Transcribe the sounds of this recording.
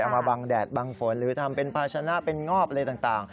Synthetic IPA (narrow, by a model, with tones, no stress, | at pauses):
ʔaː˨˩k̚maː˧baː˧ŋdɛː˨˩t̪̚baː˧ŋfo˩˦nɾɯː˩˦t̪ʰa˧mpe˧npʰaː˧tt͡ɕʰaː˧na˦˥ʔpe˧nŋɔː˥˩p̚lɤː˧jt̪aː˨˩ŋt̪aː˨˩ŋ